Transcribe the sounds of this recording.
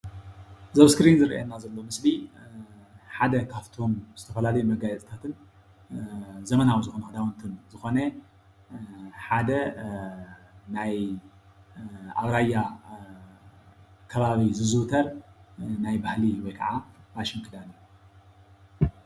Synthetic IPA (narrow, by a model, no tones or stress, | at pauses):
zɐβskɾinzɨɾḭʔḛnːazɐlːo̞mɨsbi | ħad̪ɐkʰaft̪ʰo̞mz̥ɨt̪ʰɐfɐlalɐjumɐɡajɛt͡s̪ʼɨt̪ʰat̪ʰɨn | zɐmɐnawizɨxo̞nɐhɐd̪awɐnt̪ʰɨnzɨxo̞nɐ | ħad̪ɐ | naj | aβɾajːa | kʰɐβaβizɨzɨwt̪ʰɐɾ | najbahliwɔjkʰɐʕaaʃɪmkʰɨd̪anu